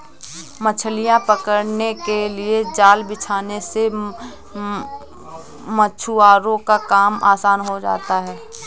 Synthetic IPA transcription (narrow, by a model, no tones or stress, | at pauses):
mət͡ʃʰəlijãpɐkəɾnekelied͡ʒaːlbɪt͡ʃʰaːnese | mət͡ʃʰuaːɾõkakaːma̰ːsaːnɦod͡ʒa̰ːt̪aɦɛː